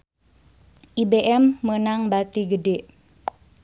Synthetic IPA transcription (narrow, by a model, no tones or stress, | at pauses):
ʔibeʔɛmːənaŋbat̪iɡəde